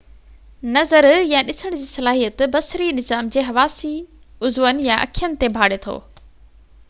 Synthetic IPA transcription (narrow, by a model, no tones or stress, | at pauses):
nɐzəɾjãɗɪsəɽ̃d͡ʑiːsɐlaːɦijət̪bɐsɾinɪzaːmd͡ʑeːɦɐʋaːsi | ʊzʋən̆jaʔɐ̰kʰijənɪ̆t̪ebʱaːɽet̪ʰo̰ː